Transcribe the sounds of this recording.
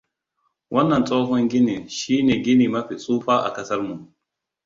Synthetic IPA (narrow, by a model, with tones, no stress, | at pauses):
wʔɔ˦nːa˨nt͡sʼɔː˦kɔ˦nɡɪ˦ni˨ʃiː˦nɛ˨ɡɪ˦ni˨ma˦ɸi˨t͡sʼuː˦fa˦ʔa̰˨kɐ˦sɐ˦ɾmu˨n